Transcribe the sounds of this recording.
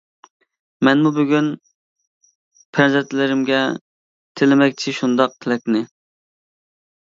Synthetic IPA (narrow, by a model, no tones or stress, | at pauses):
mɛnmubøɡʲyn | pʰænzɛt̪ʰlɪɾɪmɡʲɛ | t̪ʰɪlɪmɛk̚ʲt͡ʃʰiʃund̪ɑq̚t̪ʰɪlɛkʲnɪ